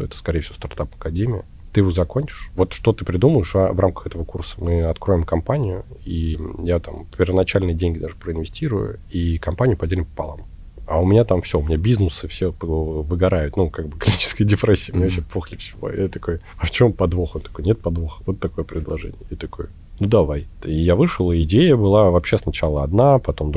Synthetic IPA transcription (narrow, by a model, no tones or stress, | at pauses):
ɛt̪ə̥skɐɾʲejɪfsʲɪvost̪art̪apɐ̥kɐdʲemʲɪjə̰ | t̪ɨjɪvozɐkonʲt͡ɕɪ̥ʂvo̞t̪ʂt̪o̞t̪ɨpɾʲɪd̪uməɪʂvramkə̥xɛt̪əvəkursə̥mɨɐt̪kɾo̞ɪmkɐmpanʲɪjʊijat̪ampʲɪrvənɐt͡ɕælʲnɨjədʲenʲɡʲɪd̪aʐɨpɾəɪnvʲɪsʲtʲiɾʊjʊ̰ikɐmpanʲɪjʊpɐdʲelʲɪmpə̥pɐ̰lˠa̰m | ɐ̰ʊmʲɪnʲat̪amfsʲoʊmʲɪnʲabʲiznɨsɨfsʲepvɨɡɐɾajʊt̪nukaɡ̚bɨklʲit͡ɕɪ̥skəjədʲɪpɾɛsʲːɪjəmɪnʲaɕɛpoxlʲɪfsʲɪvo̰jat̪ɐkoj | ɐft͡ɕompɐd̪voxont̪ɐ̥kojnʲet̪̚pɐd̪voxvot̪ːɐko̞jəpɾʲɪd̪lˠɐʐɛ̰nʲɪ̰jəjat̪ɐkojʊ | nud̪ɐvajt̪ijavɨʂlˠəɪdʲejəbɨlˠavɐpɕːesnɐt͡ɕalˠəɐd̪napɐt̪o̞md̪